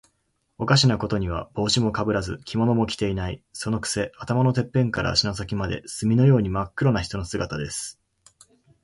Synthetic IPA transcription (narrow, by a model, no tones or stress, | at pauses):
okaɕ̬inako̞t̪o̞ɲ̟iβ̞a̰b̥o̞ːɕimo̞kabɯ̟ɾazɨkʲimo̞no̞mo̞kʲi̥t̪e̞inaiso̞no̞kɯ̥se̞at̪amano̞t̪e̞pːẽ̞ŋkaɾʔa̰ɕinas̬akʲimad̪e̞̰sɨmʲino̞jo̞ːɲ̟imakːɯɾo̞naçi̥t̪o̞no̞sɨɡat̪ad̪e̞sɨ̥